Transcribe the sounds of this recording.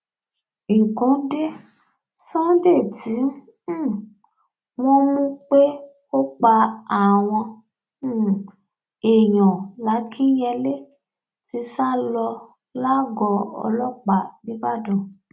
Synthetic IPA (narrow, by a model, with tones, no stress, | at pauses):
ĩ˨kũ˨˦de˦ | sɔ̃˦de˦˨tĩ˨˦ | w̃ɔ̃˦mũ˦k͡pe˦ | o˦k͡pa˧a˨w̃ɔ̃˧˦ | e˨j̃ɔ̃˨la˨˦kʰĩ˦jɛ˧le˦ | ti˧sa˦lɔ˧ | la˦ɡɔ˧ɔ̰˧lɔ˦k͡pa˨nĩ˦ba˦dũ˦˨